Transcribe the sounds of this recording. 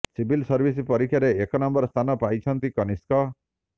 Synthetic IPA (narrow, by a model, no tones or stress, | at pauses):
sibʱilsɔɾbʱisipɔɾikʰjaɾeːkɔnɔmbɔɾst̪ʰanɔpajt͡ʃʰɔnt̪ikɔniskɔ